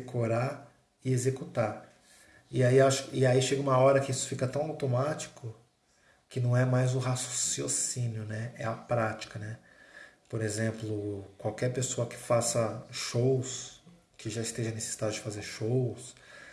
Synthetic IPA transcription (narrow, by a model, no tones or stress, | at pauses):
ekʰoɾaɾ | ɪezekut̪aɾ | ɪaiaʃʊ̥kɪaiʃeɡɐũmɐɔɾɐkɪisʊ̥fikɐt̪ɐ̃w̃awt̪omat͡ʃi̥kʊ | kɪnɐ̃w̃ɛmajzʊɦaso̥siosĩniʊnɛɛɐpɾat͡ʃi̥kɐnɛ | poɾezẽmplʊkwawkɛɾpesoɐkɪ̥fasɐʃows | kɪʒaist̪eʒɐnese̥sid̪ad͡ʒʊd͡ʒɪfazeɾʃows